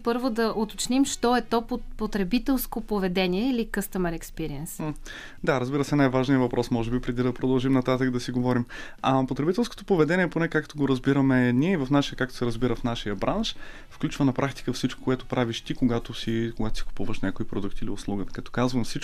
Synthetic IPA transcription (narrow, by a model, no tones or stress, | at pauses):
pɤɾvod̪ɐʔot̪ot͡ʃnimʃt̪ɔɛt̪ɔopot̪ɾɛbit̪ɛlˠskopovɛd̪ɛniɛilikɤst̪əmɛɾɛkspiɾiɛns | d̪aɾəzbiɾəsɛnajvaʒnijəvɐpɾɔsmɔʒɛbipɾɛd̪id̪ɐpɾod̪ɐlˠʒimnɐt̪at̪ək̚d̪ɐsiɡovɔɾim | ɐpot̪ɾɛbit̪ɛlˠskot̪o̥povɛd̪ɛnʲiɛponɛkakt̪oɡoɾəzbiɾəmɛniɛivɐfnaʃijəkak̚t̪o̥sɛɾəzbiɾəfnaʃijəbɾʔanʃ | fklʲut͡ʃvənɐpɾʔakt̪i̥kəfsit͡ʃko̥koʊɛt̪opɾaviʃt̪ikoɡat̪osikoɡat̪o̥si̥kʊ̥puvəʃnʲakoipɾod̪ukt̪iliʊslˠuɡət̪kɐt̪ɔ̥kazvɐmfsit͡ʃ